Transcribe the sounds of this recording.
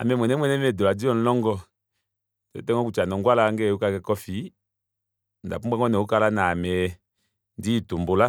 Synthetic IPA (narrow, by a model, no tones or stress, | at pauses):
a̰mɛmwɛnɛmwɛnɛmɛdoladiɔn̩lɔŋɡɔ | tɛ̰tɛŋɔkut͡ʃanɔŋɡwalaŋɡɛukakɛkɔfi | nda̰puaŋɔnɛukalanamɛ | ditombola